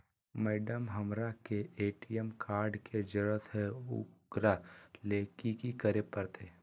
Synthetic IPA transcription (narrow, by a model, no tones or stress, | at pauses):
mɛːɖəmɦəmɾakeʔeːʈijəmkʰaːɾɖked͡ʒəɽət̪ɦɛʊ̰kɾaleːkikikəɾepəɾt̪ʰeː